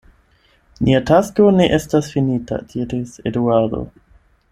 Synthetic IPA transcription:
niatasko̞ne̞ʔe̞stasfinita̰dʰiɾisḛduado̞̰

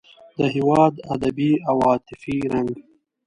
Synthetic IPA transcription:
d̪əɦɪwɑːd̪ad̪abiawɑːt̪ɪfiɾaŋɡ

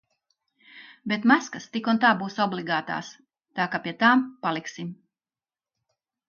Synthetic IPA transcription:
bet̪maskast̪ikunt̪aːbuːsɔblˠiɡaːt̪a̰ːs | t̪aːkapʲiɛt̪aːmpalˠiksim

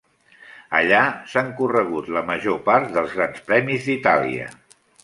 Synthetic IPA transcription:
ə̰ʎasaŋkurəɣ̞ut̪ləməʒopaɾt̪̚ðəlˠzɣɾanspɾɛmizðit̪alḭə̰

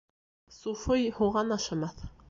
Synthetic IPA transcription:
sufɤjhuʁɑnɑʃɑ̆mɑθ

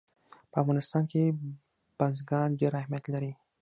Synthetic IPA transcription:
pəafɣɑnɪst̪ɑnke | b̥azɡɑnd͡ʒaɾahmijat̪laɾi

